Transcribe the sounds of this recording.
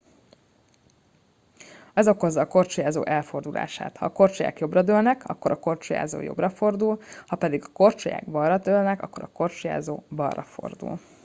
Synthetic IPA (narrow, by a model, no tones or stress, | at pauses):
ɛzo̞ko̞zːɒːko̞rt͡ʃujaːzo̰ːʔɛlfo̞rd̪ulʔa̰ːʃa̰ːt̪hɒ̰ːko̞rt͡ʃoja̰ːkjo̞brɒd̪øːlnɛkʰɒ̰kːo̞ɾʔɒko̞rt͡ʃoja̰ːzo̰ːjo̞̰brɒfo̞rd̪ulhɒpɛd̪iɡɒ̥ko̞rt͡ʃoja̰ːɡbɒrːɒd̪øːlnɛkɒ̰kːo̞ɾɒko̞rt͡ʃuja̰ːzoːbɒrːɒ̰fo̞̰rd̪ṵl